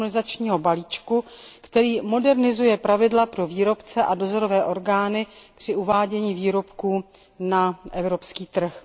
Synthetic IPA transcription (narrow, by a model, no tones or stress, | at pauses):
nɪzat͡ʃɲiːɦo̞baliːt͡ʃku | kt̪ɛɾiːmo̞dɛɾnɪzujɛpɾavɪdlapɾo̞viːɾo̞pt͡sɛʔado̞zoɾo̞vɛːʔo̞ɾɡaːnɪpr̝̥ɪʔuvaːɟɛɲiːviːɾo̞pkuː | naʔɛvɾo̞pskiːt̪r̩x